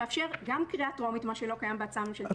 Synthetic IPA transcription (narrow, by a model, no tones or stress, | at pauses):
afʃe̞ʁɡamkʁiatoamit̪maʃelo̞kajambeat͡samʃel